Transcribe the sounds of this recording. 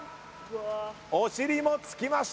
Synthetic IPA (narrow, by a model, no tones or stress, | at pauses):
oɕiɾʲimo̞t͡sɨ̥kʲimaɕ